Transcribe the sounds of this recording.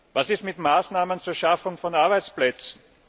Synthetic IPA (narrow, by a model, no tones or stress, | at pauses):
vasɪstmɪtmaːsnaːmənt͡suːɐʃafʊŋfɔnaɐbaɪt͡splɛt͡sn̩